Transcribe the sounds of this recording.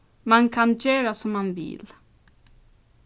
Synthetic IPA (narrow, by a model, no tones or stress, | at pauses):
mankʰançøːɾasɔmːanvɪ̰l